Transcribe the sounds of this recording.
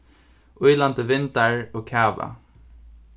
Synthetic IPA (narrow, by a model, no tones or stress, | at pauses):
ʔʊjlant̪əʋɪnt̪aɹoːkʰaːʋa̰